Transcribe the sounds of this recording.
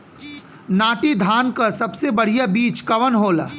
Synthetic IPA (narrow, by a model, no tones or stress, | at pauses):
naːʈid̪ʱaːnkasɐbsebɐɽ̤ijabiːt͡ʃkɐʋənɦoːlaː